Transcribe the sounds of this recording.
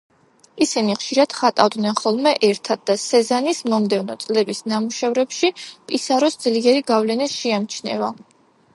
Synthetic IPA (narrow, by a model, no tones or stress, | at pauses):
isiniχʃiɾad̪̥χat̪ʼavd̪nɛnχɔlˠmɛʔɛɾt̪ʰad̪̚d̪asɛzanismɔmd̪ɛvnɔt̪sʼlɛbisnamuʃɛvɾɛpʃipʼisaɾɔsd̪zliɛɾiɡavlɛnisʃiamt͡ʃʰnɛ̰va